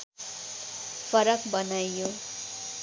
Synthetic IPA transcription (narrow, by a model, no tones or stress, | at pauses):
fʰʌɾʌkbʌnajjo